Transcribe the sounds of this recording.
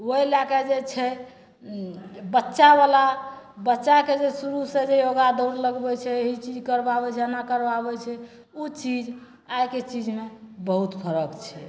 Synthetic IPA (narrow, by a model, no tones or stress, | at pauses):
oilakɛd͡ʒet͡ʃʰɛ | bətːʃabala | bətːʃaked͡ʒesuɾusẽd͡ʒejoɡad̪əɾləɡbɛt͡ʃʰɛeɦit͡ʃid͡ʒkəɾbabɛt͡ʃʰɛanakəɾbabɛt͡ʃʰɛ | ut͡ʃid͡ʒ | ajket͡ʃid͡ʒmebəɦut̪pʰəɾəkt͡ʃʰɛ